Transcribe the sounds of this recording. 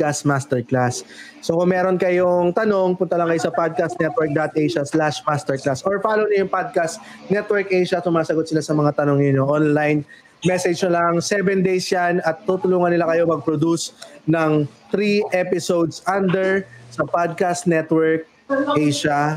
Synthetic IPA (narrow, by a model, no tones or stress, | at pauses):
kasmast̪ɛɹklasː | o̞kʊŋmɛːɾonkɐjoŋt̪ɐno̞ŋpʊnt̪ɐlɐŋkɐjo̞sɐpad̪̚kast̪nɛt̪̚wɛɹk̚d̪at̪̚ʔɛjʃɐslaʃmast̪ɛɹklasʔoɹfaːlownɐjʊŋpad̪̚kast̪ | nɛt̪wɛɹkʔɛjʃɐsʊmaːsɐɡot̪̚sɪlasɐmɐŋat̪ɐnoŋjɪnoʔonlajn | mɛsɛd͡ʒnɐlaŋsɛvɛnd̪ejsjanɐt̪ːut̪ʊluːŋɐnɪlakɐjo̞mɐɡ̚pɾod̪usnɐŋt̪ɾiʔɛpɪsowd̪sʔand̪ɛɹsɐpad̪̚kast̪nɛt̪wɛɹk̚ | ʔɛjʃɐ